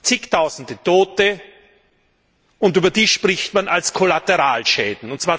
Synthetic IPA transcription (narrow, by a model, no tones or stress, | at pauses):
t͡sɪktʰaʊzn̩dətʰoːtə | ʊntyːbɐdiːʃpʁ̥ɪçtmanalskʰolatɛʁaːlʃɛːdn̩ʊntt͡sv̥aːɐ